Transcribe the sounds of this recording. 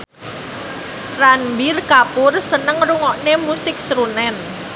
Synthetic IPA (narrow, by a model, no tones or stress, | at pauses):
ranbirkapʊrsənəŋruŋɔʔnemusɪk̚sɾunɛn